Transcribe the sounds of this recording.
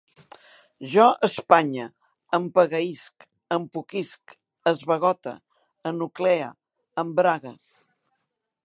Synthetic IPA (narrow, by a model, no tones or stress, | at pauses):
ʒɔəspaɲə | əmpəɣəisk | əmpukisk | əzβəɣɔt̪ə̰ | ənukleə̰ | əmbɾaɣə